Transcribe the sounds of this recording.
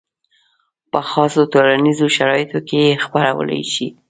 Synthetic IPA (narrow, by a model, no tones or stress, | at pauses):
pəxɑsot̪olanizoʃaɾɑjɪt̪okejexpaɾawə̰la̰jʃi